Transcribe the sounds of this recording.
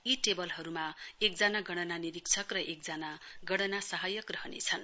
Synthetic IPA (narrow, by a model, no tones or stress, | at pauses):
iʈebʌlɦʌɾumaek̚d͡zanaɡʌɽ̃ʌnaniɾikt͡sʰʌkrʌʔek̚d͡zanaɡʌɽ̃ʌnasʌɦajʌkrʌɦʌnḛt͡sʰʌn